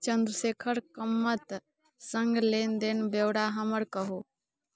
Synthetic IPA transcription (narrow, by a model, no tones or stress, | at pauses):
t͡ʃənd̪ɾəsekʰəɾkəmːət̪ | səŋɡlend̪enbewɽaɦəməɾkəɦu